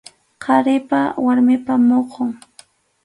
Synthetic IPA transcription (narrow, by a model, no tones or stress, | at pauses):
qʰɑɾɪpawaɾmɪpamoqoŋ